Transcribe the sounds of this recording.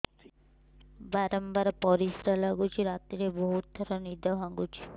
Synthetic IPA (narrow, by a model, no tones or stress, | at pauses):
baɾɔmbaɾpɔɾisɾalaɡut͡ʃʰiɾat̪iɾeboɦut̪̚d̪ʱɔɾɔnid̪ɔɦãɡut͡ʃʰi̥